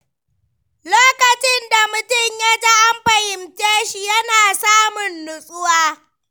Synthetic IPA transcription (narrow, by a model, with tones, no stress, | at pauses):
loː˦kɐ˨t͡ʃɪ˦nda˨mʊ˨tʊ˦˨ɲja˦ta˦ʔa˦mɸɐ˨hɪ˨mt͡ʃeː˦ʃi˦jɐ˦naː˨saː˦mʊ˨nːʊ˦sʼʊ˦waː˦